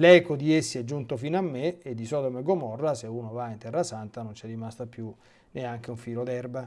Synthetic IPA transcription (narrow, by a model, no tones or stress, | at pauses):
lɛːkod̪iesːiɛd͡ʒːunt̪ofiːnoamːeed̪ːisɔːd̪omeɡomɔrːaseunovaint̪ɛrːasant̪anont͡ʃɛrːimast̪apju | neaŋk̟euɱfiːlod̪ɛrba